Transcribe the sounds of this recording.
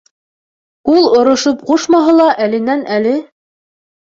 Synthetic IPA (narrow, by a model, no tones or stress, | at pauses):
ulˠŏɾŏʃop̚quʃmɑɦɤlˠɑʔælɘ̆nænælɘ